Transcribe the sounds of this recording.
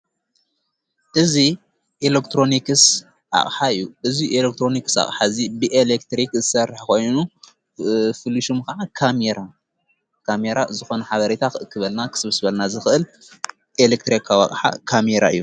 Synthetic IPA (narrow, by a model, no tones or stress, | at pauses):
ʔɨzi | ʔelekt̪ɾo̞nikɨs | ʔa̰χʼħaɨjːuʔɨziʔelek̚t̪ʰɾo̞niksa̰χʼħazibɨʔelekt̪ɾikzɨsɐrħko̞jnu | fɨlːiʃumkɐaʕakʰameɾa | kʰameɾazɨxo̞nɐħaβɐɾet̪ʰakɨʔɨkʰːɨβɐlnakʰɨ̥sɨβɨsbɐlnazɨxɨʔɨl | ʔelek̚t̪ɾikʰawɐ̰qʼħa̰kʰameɾa̰ɨjːu